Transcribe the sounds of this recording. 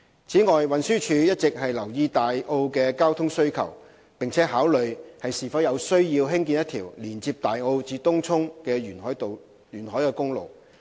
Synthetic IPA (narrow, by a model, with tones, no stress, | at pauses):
t͡sʰiː˨˥ŋɔː˨jwɐ˨nsyː˥t͡ʃʰyː˨˧jɐ˥t̚t͡sɪ˨k̚ɦɐ˨jlɐ˨˩wjiː˧t̪aː˨jʔo˧wkɛː˧kaː˥wt̪ʰʊ˥ŋsɵ˥ɥkʰɐ̰˨˩w | pɪ˨ŋt͡sʰɛː˨˥ɦaː˨˥wlɵ˨ɥhɐ˨jsiː˨˩fɐ˨˥wjɐ˨˧wsɵ˥ɥjiː˧wɦɪ˥ŋkiː˧njɐ˥t̪ʰiː˨˩wliː˨˩nt͡siː˧p̚t̪aː˨jo˧wt͡siː˧t̪ʊ˥ŋt͡sʰʊ˥ŋkɛː˧yː˨˩nɦɔː˨˥˨ | jyː˨˩nhɔː˨˥jkɛː˧kʊ˥ŋlo̰˨w